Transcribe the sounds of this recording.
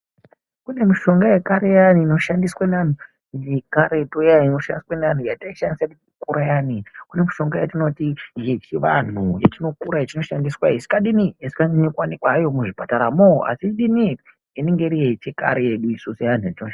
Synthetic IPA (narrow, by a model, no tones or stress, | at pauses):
kune̞miʃo̞ŋɡajekaɾe̞janiːno̞ʃandiswanan̤u | jekaɾetojaino̞ʃandiswanan̤ujataiʃandisatiukuɾajanikune̞miʃo̞ŋɡajatino̞tiɦet͡ʃiʋan̤uja̰t͡ʃino̞kuɾajet͡ʃino̞ʃandiswaesi̥kaɗiniesi̥kaniekwanikwajo̞muʐipataɾamoa̰siɗini | ine̞ŋɡeɾijet͡ʃeka̰ɾejeɗuisusejan̤uatinoʃa